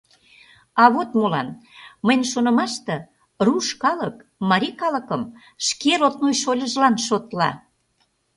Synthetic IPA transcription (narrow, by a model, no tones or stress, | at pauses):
ɑβot̪molɑ̰nməjnʲʃonə̆mɑʃt̪ĕ | ruʃkɑləkmɑɾʲikɑləkəm | ʃkeɾot̪nojʃolʲəʒlɑnʃot̪lɑ̰